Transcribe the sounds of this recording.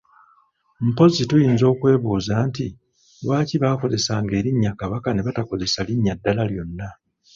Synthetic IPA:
m̩po̞zitujiːnzo̞ːkwe̞ːβuːzaːnti | βwaːciβaːko̞ze̞saːŋɡe̞ːɾiɲːakaβakane̞βatako̞ze̞saliɲːadːalaljo̞nːa

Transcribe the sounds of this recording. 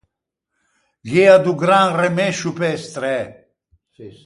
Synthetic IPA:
ɡead̪uɡɾãŋremɛʃupɛst̪ɾɛ

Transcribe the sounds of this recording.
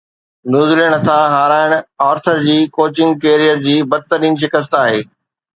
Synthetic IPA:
njuːzleɽ̃t̪ʰaɦaːɾaːɪɽ̃ɔːɾt̪ʰəɾd͡ʑiːkoːt͡ɕɪ̃ŋɡ̚keːɾijəɾd͡ʑiːbɐd̪̚t̪ɐɾiːmʃ̬ɪkəs̬t̪aːɦeː

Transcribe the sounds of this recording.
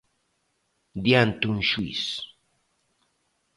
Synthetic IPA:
d̪jant̪ʊnʃuḭs

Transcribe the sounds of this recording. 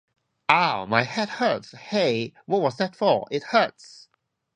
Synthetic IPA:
aʊmaɪhɛd̚hɜ˞tsheɪwʌt̚wʌzðætfəɪt̚hɜ˞ts

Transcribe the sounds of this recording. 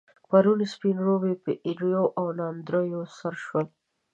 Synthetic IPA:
paɾunspinɾobepəʔiɾjoʔawnɑnd̪ɾojosaɾʃwəl

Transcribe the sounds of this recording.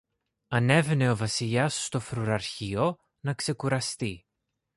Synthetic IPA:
ɐne̞vne̞ovɐsiʎɐsːt̪o̞fɾuɾɐɾçio | nɐkse̞kuɾɐst̪i

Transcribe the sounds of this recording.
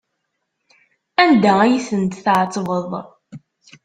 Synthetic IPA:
ænd̪ææjisənt̪θʕt͡sˤːvəðˤ

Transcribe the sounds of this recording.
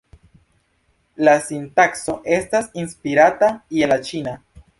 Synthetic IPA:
lasintakso̞ʔe̞stasinspiɾataielat͡ʃina

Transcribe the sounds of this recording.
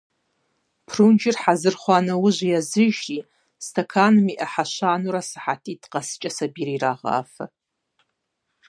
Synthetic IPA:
pʰrund͡ʒɪrħazɨrχʷanɨwʊʒʷjazɨʒi | stʰakʰanmiʔaħaʃʷanuɾasḁħatʼitqʼast͡ʃʼasabiɾiɾaʁa̰ːfa̰

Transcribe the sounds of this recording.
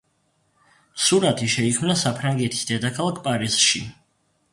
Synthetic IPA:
suɾat̪ʰiʃɛikʰmnasapʰɾaŋɡɛt̪ʰi̥sd̪ɛd̪akʰalˠakʰpʼaɾiz̥ʃḭ

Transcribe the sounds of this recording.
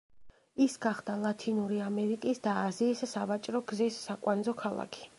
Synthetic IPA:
isɡaχd̪̥alˠat̪ʰinuɾiamɛɾikʼisd̪aːziːsːavat͡ʃʼɾɔɡzisːakʼwanzɔkʰalˠa̰kʰi̥

